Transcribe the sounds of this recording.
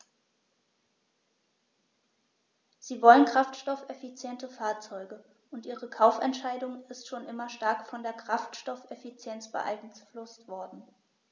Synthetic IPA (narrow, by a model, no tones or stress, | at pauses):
z̥iːvɔlənkʁ̥aftʃtɔfɛfit͡sjɛntəfaːɐt͡sɔʏɡə | ʔʊntʔiːʁ̞əkʰaʊfɛ̰ntʃaɪdʊŋɪstʃoːnʔɪmɐʃtaɐkfɔndeːɐkʁ̥aftʃtɔfɛfit͡sjɛnt͡sb̥ə̰ʔa̰ɪɡŋ̩t͡sflʊstv̥ɔɐdn̩